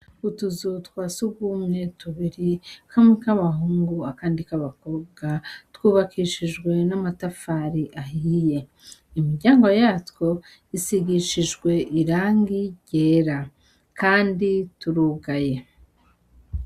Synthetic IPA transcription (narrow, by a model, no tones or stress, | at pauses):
utuzutkwasuɡumŋe̞tuβiɾikʰamwikaβaɦuːŋɡuakaːndikaβako̞b̚ɡatwuːβakʰiʃid͡ʒɡwe̞namatafaɾiʔaɦiije̞ | imiɾɟaːŋɡo̞jaːtwo̞ | isiɡiʃiʒɡwe̞ʔiɾaːŋɡiɟeɾa | kʰaːndituɾuːɡaje̞